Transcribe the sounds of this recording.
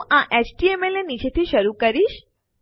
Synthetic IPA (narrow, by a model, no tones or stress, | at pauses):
ʔãʔet͡ʃʈiemelenit͡ʃet̪ʰiʃəɾukəɾiʃ